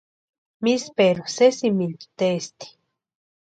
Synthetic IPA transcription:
mispeɾusesimilt̪u̥t̪est̪i̥

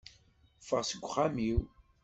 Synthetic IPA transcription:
fəʁsəɡʷːχamiw

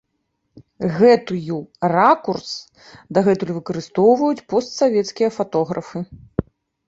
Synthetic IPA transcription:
ɣɛt̪ɨjurakurs | d̪ɐɣɛt̪ulʲvɨkɐɾɨst̪ɔwvɐjut͡sʲpɔst̪savʲɛt̪skʲijɐfat̪ɔɣɾɐfɨ

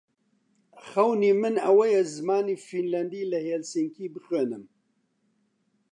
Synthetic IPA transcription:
xɐwniːmɨnɐwɐjɛzɨmaːniːfinlɐnd̪iːlɐheːlsiŋkʰiːbɨxweːnɨm

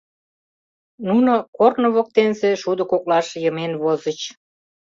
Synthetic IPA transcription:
nunokornoβok̚t̪enseʃud̪ŏkoklɑʃjəmenβozət͡ɕ

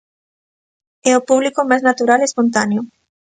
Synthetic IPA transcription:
ɛopuβlikʊmajznat̪uɾalespont̪aneʊ

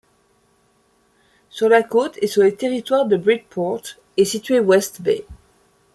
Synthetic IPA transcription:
syʁlakot̪ʰesyʁlət̪eʁit̪waʁd̪əbʁid͡ʒpʰɔʁt̪ | esit̪ɥewɛst̪bḛ

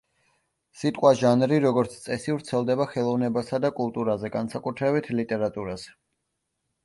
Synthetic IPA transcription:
sit̪ʼqʼwaʒanɾiɾɔɡɔɾt̪sʰt̪sʼɛsivɾt̪sʰɛlˠd̪ɛbaχɛlˠɔvnɛbasad̪akʼulˠt̪ʼuɾazɛɡansakʼut̪ʰɾɛbit̪ʰlit̪ʼɛɾat̪ʼuɾaz̥ɛ

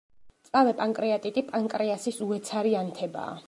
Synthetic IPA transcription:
sʼavɛpʼaŋkʼɾiat̪ʼit̪ʼipʼaŋkʼɾiasisuɛt̪sʰaɾiant̪ʰɛba̰ː

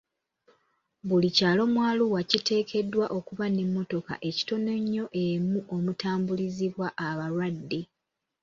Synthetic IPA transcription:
βulicaːlo̞mwaːluwacite̞ːkʰe̞dːwaʔo̞kuβanemːo̞to̞ka̰ʔe̞ci̥to̞ne̞ɲːo̞ʔemuʔo̞mutaːmbuliziβwaʔːβaɾwadːi

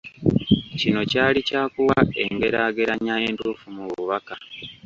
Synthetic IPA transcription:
cino̞caːlicaːkuwae̞ŋɡe̞ɾaːɡe̞ɾaɲae̞ntuːfumuβuβaka

